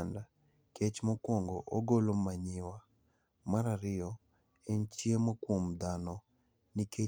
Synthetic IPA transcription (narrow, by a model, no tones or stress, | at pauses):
nda | ket͡ʃmokwoŋɡoʔoɡolomaɲɪwa | maɾaɾɪɔ | ent͡ʃjemokwomd̪anɔ | nikʰe